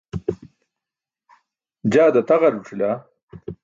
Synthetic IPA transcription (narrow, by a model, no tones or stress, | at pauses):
d͡ʑaːd̪ɐt̪ɐɣɐɾuʈ͡ʂʰila